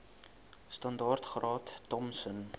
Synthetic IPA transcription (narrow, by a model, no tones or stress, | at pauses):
stɐndɑːrtχrɑːttɔmsən